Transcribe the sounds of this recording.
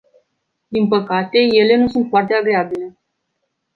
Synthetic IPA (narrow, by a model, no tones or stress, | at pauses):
d̪inpəkat̪e̞je̞le̞nusunt̪foart̪eaɡɾe̞abile̞